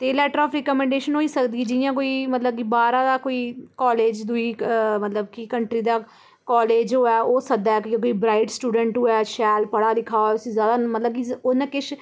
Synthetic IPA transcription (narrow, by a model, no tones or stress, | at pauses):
t̪eːlɛːʈəɾɔːpʰɾɛkəmɛ̃ːɳɖeːʃənɦoːiːsəkd̪iːd͡ʒɪjãːk̬oːiːmət̪ləb̚kiːbaːɾãːd̪aːkoːiːkɔːleːd͡ʒd̪ʊiːmət̪ləbkikəɳʈɾiːd̪aː | kɔːleːd͡ʒoːɛːoːsəd̪aːkĩk̬oːiːbɾaːɪʈsʈuːɖəɳʈɦoːɛːʃɛːlpəɽaːd̪ɪkʰaːoʊsĩːzjaːd̪aːmət̪ləb̚ɡionɛ̃ːkɪʃ